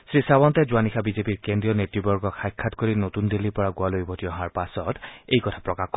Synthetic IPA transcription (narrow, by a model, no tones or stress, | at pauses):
sɹisawɔntɛzuanixʰabizepiɹkendɹijɔnetɹibɔɹɡɔkʰajkʰːatkoɹinotundilːipɔɹaɡualojbʱotiɔɦaɹpasɔtejkɔtʰḁpɹɔkaxk